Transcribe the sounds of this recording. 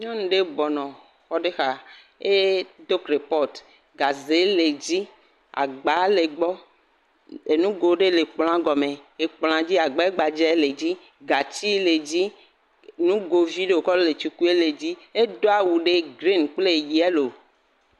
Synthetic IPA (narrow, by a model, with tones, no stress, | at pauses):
ɲɔ̃˦nũ˨ɖe˦bɔ˨nɔ̃˨ | xɔ˦ɖe˦xa˨ | e˦d̪o˦kɾe˨pɔ˦t | ɡa˨ze˨˦le˨d͡ʑi˦ | a̰˨ɡ͡ba˨˦le˨ɡ͡bɔ˦ | e˨nũ˦ɡo˨ɖe˦le˨k͡pl̃ã˦ɡɔ˨me˨e˨k͡pl̃ã˦d͡ʑi˦a˨ɡ͡ba˨˦e˦ɡ͡ba˨d͡ʒɛ˦le˨d͡ʑi˦ | ɡa˨t͡ɕi˦le˨d͡ʑi˦ | nũ˦ɡo˨vi˦ɖe˦wo˨kɔ˦ɖo˦le˨t͡ʃi˦ku˦e˦le˨d͡ʑi˦e˦do˦a˨wu˨ɖe˦ɡɾi˦˨nk͡ple˦˨ji˨ɛ˦lo˨